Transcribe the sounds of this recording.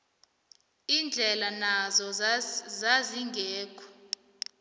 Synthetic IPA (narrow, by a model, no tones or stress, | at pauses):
ind͡ɮʱɛlanazɔzaziŋɡʱeːkʰɔ̥